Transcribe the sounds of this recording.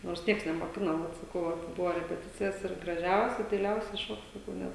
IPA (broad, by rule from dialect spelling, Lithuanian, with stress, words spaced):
noːrs ˈnʲiɛks nʲɛmoːˈkʲɪnoː ˈʋɐt sɐˈkɐʊ ˈʋɐ ˈbʊʋoː rʲɛpʲɛˈtʲɪt͡sʲɪjɛs ɪr ɡrɐˈʒʲɛʊsʲɛ dɐɪˈlʲɛʊsʲɛ ˈʃoːk sɐˈkɐʊ ˈnʲɛt